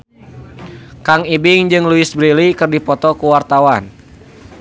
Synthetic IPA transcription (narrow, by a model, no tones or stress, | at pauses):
kaŋibɪŋd͡ʒɨŋluɪsbɾilikɨrdipɔt̪ɔkuwart̪awan